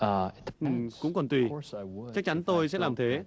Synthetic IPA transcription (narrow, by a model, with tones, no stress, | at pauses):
ʔɨ˨˩mkʊ̰˧˥ŋ͡mkɔ˨˩nt̪wi˨˩t͡ɕa˦˥k̚t͡ɕa˨˦ŋ̟t̪o˧jsɛ̰˧˥laː˨˩mt̪ʰe˨˦